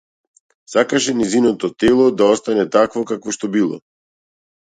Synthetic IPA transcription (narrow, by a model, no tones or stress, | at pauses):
sakaʃɛnɛzinɔt̪ɔt̪ɛlˠɔd̪aɔst̪anɛt̪akvɔkakvɔʃt̪ɔbilˠɔ̰